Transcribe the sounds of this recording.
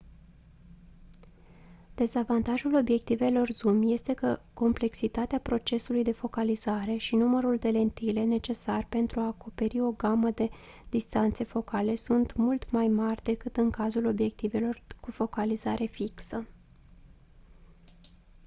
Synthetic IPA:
d̪̥e̞zavant̪aʒulo̞bje̞k̚t̪ive̞lo̞rzumje̞st̪e̞kəko̞mple̞ksit̪at̪eapɾo̞t͡ʃe̞sulujd̪e̞fo̞kalizaɾe̞ʃinuməɾuld̪e̞le̞nt̪ile̞ne̞t͡ʃe̞sarpe̞nt̪ɾuaːko̞pe̞ɾio̞ɡaməd̪e̞ | d̪ist̪ant̪se̞fo̞kale̞sunt̪mult̪majmarʲd̪e̞kɨt̪ɨŋkazulo̞bje̞k̚t̪ive̞lo̞rkufo̞kalizaɾʔe̞fiksə

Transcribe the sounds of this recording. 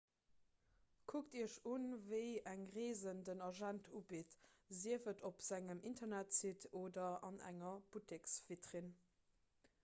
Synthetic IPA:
kʰuk̚tiəʃunvəɪæŋʁeːzəndənɑʒæntʰubitziəfətopz̥æŋəmintɐnætsitʰoːdɐɑnæ̰ŋɐb̥utɪksv̥itʁin

